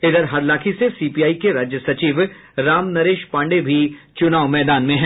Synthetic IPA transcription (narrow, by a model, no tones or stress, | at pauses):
ɪd̪əɾɦɐɾlaːkʰisesiːpiaːikeɾaːd͡ʒjəsɐt͡ʃiːʋ | ɾaːmnɐɾeːʃpãːɳɖebʱit͡ʃʊnaːʋmɛːd̪aːnmẽɦɛ̃ː